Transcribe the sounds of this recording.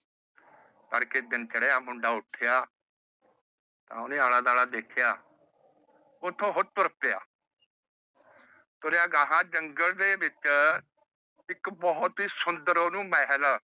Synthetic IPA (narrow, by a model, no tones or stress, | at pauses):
t̪əɽked̪ɪnt͡ʃəɽeːaːmʊɳɖaːʊʈʰɪjaː | t̪ã̰ːʊneːaːlaːd̪aːlaːd̪eːkʰɪjaː | ʊt̪ʰːõːɦʊt̪ʊɾt̪ea̰ː | t̪oːɾjãːɡãːɦãːd͡ʒəŋɡəld̪eːbɪt͡ʃ | ɪkbɔɦʊt̪ɦiːsʊnd̪əɾoːnũːmɛɦəl